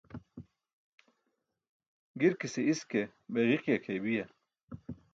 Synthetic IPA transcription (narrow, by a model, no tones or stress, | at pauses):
ɡiɾkiseiskebeɣiqjakʰejbijɐ